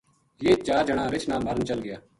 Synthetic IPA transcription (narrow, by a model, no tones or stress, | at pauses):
jeːt͡ʃaːɾd͡ʒəɳ̃ãːɾɪt͡ʃʰnaːməɾnt͡ʃəlɡɪjaː